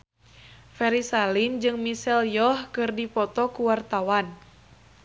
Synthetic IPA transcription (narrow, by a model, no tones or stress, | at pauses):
fɛɾisalind͡ʒɨŋmisɛljɔhkɨrdipɔt̪ɔkuwart̪awan